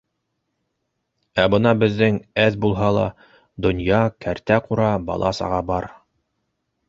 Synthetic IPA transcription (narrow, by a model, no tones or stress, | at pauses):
æbɤnɑbɘ̆ðːɘŋæðbulˠɦɑlˠɑ̰ | d̪ŏnjɑkæɾt̪æquɾɑbɑ̰lˠɑsɑ̰ʁɑbɑɾ